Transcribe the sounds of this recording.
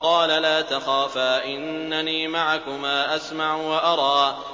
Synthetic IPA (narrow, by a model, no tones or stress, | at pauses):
qɑːlalaːt̪axaːfaːʔɪnːaniːmaʕakʊmaːʔasmaʕʊwaʔɑɾˤɑː